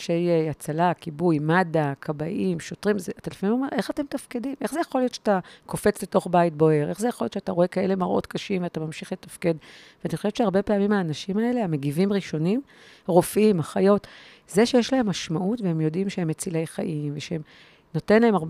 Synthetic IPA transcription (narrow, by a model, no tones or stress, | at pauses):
ʃejat͡salakibujmadakʰabaʔimʃo̞tʁimzeat̪alafaimo̞me̞ʁʔe̞χate̞mtafkedimʔe̞χzejaχo̞lio̞tʃe̥atako̞fe̞t͡sle̞to̞χbait̚bo̞e̞ʁʔe̞χzejaχoljotʃeataʁo̞ekae̞le̞maʁʔo̞̰tkaʃimveatamamʃiχle̞tafke̞d | veanixoʃevett͡ʃʃeaʁbe̞peamimhaːnaʃimae̞le̞ame̞ɡivimʁiʃo̞nim | ʁo̞fimaχajo̞t | zeʃejeʃlae̞mːaʃmaʔutveemjo̞dimʃehemet͡sile̞jχaʔimveʃeem | no̞te̞nlaemaʁb